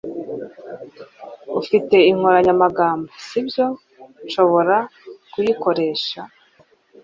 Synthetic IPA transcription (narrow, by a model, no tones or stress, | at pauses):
ufite̞iŋ̥hoɾaɲamaɡaːmbasibjo̞ | ʃo̞βo̞ɾakujiko̞ɾe̞ːʃa